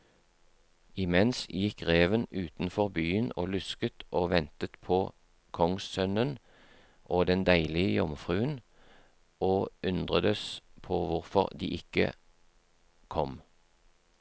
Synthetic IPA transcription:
ɪmɛnsjɪkʁeːʋənʉːt̪n̩fɔʁbyːəno̰ːlʉskət̪ʔoːʋɛnt̪ət̪pʰoː | kʰɔŋssœnən | ʔoːd̪ɛnd̪æɪlɪəjɔmfʁʉːən | oːʉnd̪ʁəd̪əspʰoːʋʊʁfɔʁd̪ḭːʔɪkə̰ | kʰɔm

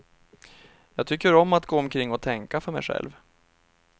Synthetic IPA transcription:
jɑːɡt̪ʰʏkːəɾɔmːat̪ɡoːɔmkʰɾɪŋːɔt̪ʰɛŋkafœɾmɛ̰jɧɛ̰lv

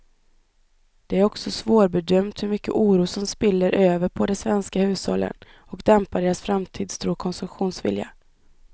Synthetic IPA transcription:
d̪̥ɛæɾɔksɔsvoːɾbɛd̪œmt̪hɵɾmʏkːə̰ʔuːɾuːsɔmspɪlːəɾʔøːvəɾpʰɔd̪ɛsvɛnskahʉ̟ːshɔ̰lːə̰n | ɔkd̪ɛmpaɖeːɾasfɾamt̪ʰiːd̪st̪ʰɾuːkʰɔnsɵmɧuːnsvɪ̰lja̰

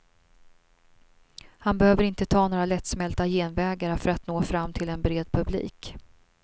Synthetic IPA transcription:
hanbɛhøːvəɾɪnt̪ət̪ʰɑːnoːɾalɛt̪smɛlt̪ajeːnvɛːɡaɾəfœɾat̪noːfɾamːt̪ʰɪlɛnbɾeːd̪̚pʰɵblḭːk

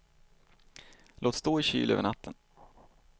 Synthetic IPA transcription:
lʔoːt̪st̪oːɪɕy̰ːlʔø̰ːvəɳat̪ʰːən

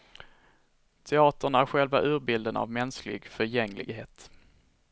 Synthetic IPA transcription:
t̪ʰɛɑːt̪əɳæɾɧɛlvaʔʉ̟ːɾbɪld̪əna̰vmɛnsklɪ̰ɡfœɾjɛŋlɪ̰ɡheːt̪

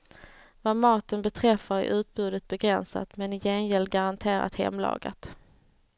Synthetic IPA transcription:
vamɑːt̪ənbɛt̪ʰɾɛfːaɾɪ̰ʔʉ̟ːt̪̚bʉ̟ːd̪ət̪̚bɛɡɾɛnsa̰t̪mɛnɪjɛnjɛld̪ɡaɾant̪ʰeːɾa̰t̪hɛ̰mlɑ̰ːɡa̰t̪

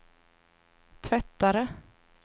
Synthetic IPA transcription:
t̪ʰvɛt̪ːaɾə

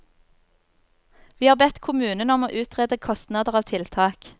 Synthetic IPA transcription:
ʋiːhɑːʁbɛt̪kʰʊmʉːnənɔmo̰ːʔʉːt̪ʁɛːd̪əkʰɔst̪nɑːd̪əʁɑːʋt̪ʰɪlt̪ʰɑːk

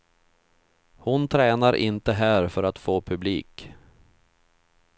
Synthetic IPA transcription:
hʊnt̪ʰɾɛːnaɾʔɪ̰nt̪əɦæːɾfœɾat̪foːpʰɵblḭːk

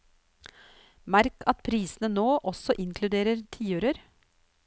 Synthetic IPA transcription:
mæɾkʰɑt̪pʰɾiːsnənoːʔɔsɔʔɪŋkʰlʉd̪eːɾəɾt̪ʰiːøːɾəɾ

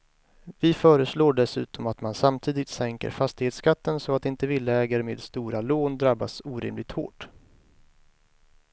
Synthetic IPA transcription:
vɪfœːɾəsloːɖɛsʉ̟̰ːt̪ɔmat̪mansamt̪ʰiːd̪ɪt̪sɛŋkə̰ɾfast̪ɪheːt̪skat̪ːənsɔat̪ɪnt̪əvɪlːəɛːɡəɾmḛːd̪st̪uːɾaloːnd̪ɾabːa̰suːɾɪ̰mlɪɡ̚t̪ho̰ːʈ

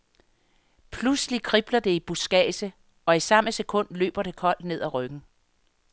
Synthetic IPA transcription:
pʰluslikʰʁib̥lɐd̥e̝ib̥usɡ̥ɛ̰ːsə | ɒ̽isɑ̈məsekʰɔ̽n̰d̥lø̰ːb̥ɐɾ̥e̝kʰɒ̽l̰d̥ne̝ð̰ˠæʁœɡ̥n̩

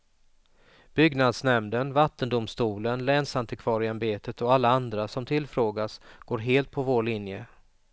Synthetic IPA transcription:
b̥ʏɡnad̪snɛmd̪ənvat̪ːənd̪ʊmst̪uːlənlɛnsant̪əkʰvɑːɾɪanbeːt̪ət̪ɔalːaand̪ɾasɔmt̪ʰɪlːfɾoːɡasɡ̥oːɾɦeːlt̪̚pʰɔvoːɭɪnjə

